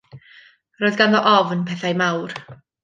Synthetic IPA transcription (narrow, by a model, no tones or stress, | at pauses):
roːɨðɡanðɔʔɔvnpʰɛθajmawr